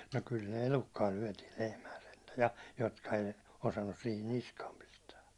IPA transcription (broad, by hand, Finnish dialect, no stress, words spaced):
no kyl ne elukːɑː lyæ̹tiːl lehmæː sentæ jɑ jotkɑ ei osɑnːus sihin niskɑːm pistæː